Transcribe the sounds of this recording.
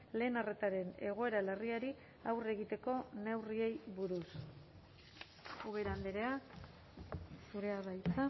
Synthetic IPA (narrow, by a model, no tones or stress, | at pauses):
le̞ːnare̞t̪aɾe̞ne̞̰ɣ̞o̞e̞ɾalariaɾi | awre̞ɣ̞it̪e̞ko̞ne̞wrie̞jβuɾus | uβeɾand̪eɾe̞a | suɾe̞aβajt͡s̪a